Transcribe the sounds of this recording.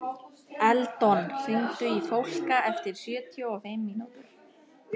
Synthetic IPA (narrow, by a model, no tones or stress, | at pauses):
ɛlt̪ɔnfɪnt̪ʏifowl̥kaɛft̪ɪɾ̥sjœːt̪ʰjɔɔfɪmːinut̪